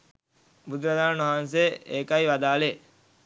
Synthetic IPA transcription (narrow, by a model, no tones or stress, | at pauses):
bud̪uɾad̪aːnnʋɐɦans̬eʔeːkaiʋad̪aːle